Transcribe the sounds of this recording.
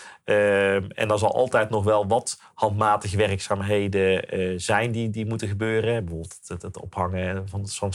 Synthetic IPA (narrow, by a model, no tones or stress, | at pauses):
əmɛ̰ndɑnzɑlˠʔɑ̰lˠtɛjtnɔχʋɛlˠʋɑt | hɑntmaːtəɣəʋɛrəksaːmɦejdəzɛjndidimutəχəbøːrəɛbəvoːbəlˠtətɔ̰phɑŋəvɑntfɑn